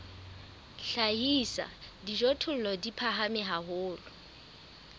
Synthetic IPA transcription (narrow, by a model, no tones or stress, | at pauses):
ɬaɦisa̰diʒɔtʰʊl̩lɔdipʰaɦamɪɦaɦʊːlʊ